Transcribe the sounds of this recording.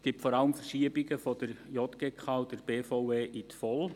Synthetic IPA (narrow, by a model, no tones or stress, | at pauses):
ɡ̥iptfɔɾɑləmfərʃiəbɪɡəfɔd̥əɾjɔt̪ɡ̥ekχɑːʊdəɾb̥eːfoweːʔit̪fɔl